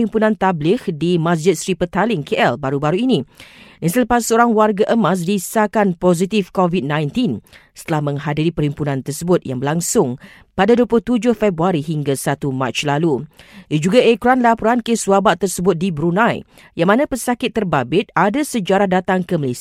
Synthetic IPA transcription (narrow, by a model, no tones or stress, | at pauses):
impunãnt̪ablɪhdimãs̬d͡ʒɪt̪̚sɾipət̪alɪŋkʰeʔɛlbaɾubaɾuinĩdansəlapasːəoɾaŋwarɡaʔəmãs̬disakanpɔzit̪ifkovid̪̚nãjnt̪insə̥t̪əlahmə̃ŋɦadiɾipəɾhimpunãnt̪ərsəbʊt̪̚ja̰ŋbəlaŋsʊŋ | padaduəplʊuht̪ud͡ʒʊhfɛbɾuaɾiɦiŋɡasat̪uma̰t͡ʃlalujad͡ʒuɡaʔekɾanlapɔɾankeswabaʔt̪ərsəbʊt̪̚dibəɾunãj | jaŋmãnãpəsakɪt̪ːərbabɪt̪̚adasəd͡ʒaɾahdat̪aŋkəməlesi